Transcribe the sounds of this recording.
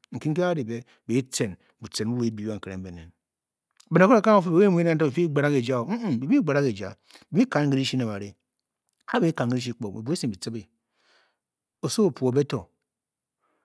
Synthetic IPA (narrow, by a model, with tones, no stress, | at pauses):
ŋ̩˨ki˦ŋ̩˦ke˦a˦di˨be˦ | be˨i˦t͡se˨n | bu˨t͡se˨n˦u˦we˨˦bi˨˦a˦ŋ̩˨ke˨ɾḛ˨m̩˦be˨nḛ˨n˨ | be˨n˨ko˦˨˦ka˦o˨fe˦be˨we˦mu˨˦e˦e˦o˦be˨fi˦ɡ͡ba˨ɾa˦ke˨d͡ʒa˦o˨m̩˦bi˨bi˦ɡ͡ba˨ɾa˦ke˨d͡ʒa̰˨ | bi˨bi˦ka˨nŋ˦ɡi˦ɾi˦ʃi˦na˨ba˨ɾi˨ | a˦be˦i˦ka˨nŋ˨ɡi˦ɾi˦ʃi˦k͡po˨ḛ˨bu˨˦e˦si˨n˨bi˨t͡si˦bi˨ | o˨so˦o˨pu˨o˨be˦to˨